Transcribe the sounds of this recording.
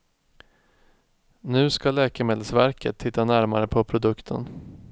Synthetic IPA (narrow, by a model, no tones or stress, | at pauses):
nʉ̟ːskalɛːkəmeːd̪əlsvæɾkʰət̪ʰːɪt̪ːanæɾmaɾəpʰɔpʰɾʊd̪ɵkt̪ʰə̰n